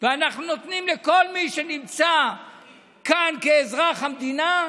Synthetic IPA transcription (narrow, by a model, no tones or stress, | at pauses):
veanaχnuno̞t̪nimleko̞lmiʃenimt͡sa | kankeːzʁaχhamd̪ina